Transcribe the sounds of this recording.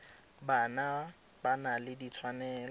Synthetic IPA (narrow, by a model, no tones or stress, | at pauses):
bana | banalɪdit͡sʰwanɛːl